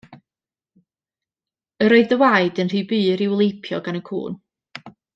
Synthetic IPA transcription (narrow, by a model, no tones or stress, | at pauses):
əɾoɨðəwaɨdənr̥iːbɨːɾɪwlˠejpʰjɔ̰ɡanəkʰṵːn